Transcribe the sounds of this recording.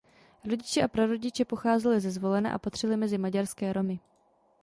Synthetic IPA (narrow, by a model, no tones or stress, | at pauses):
ɾoɟɪt͡ʃɛʔapɾoɾo̞ɟɪt͡ʃɛpo̞xaːzɛlɪzɛzvo̞lɛna̰ʔa̰pat̪r̥ɛlɪmɛzɪmaɟaɾskɛːɾo̞mɪ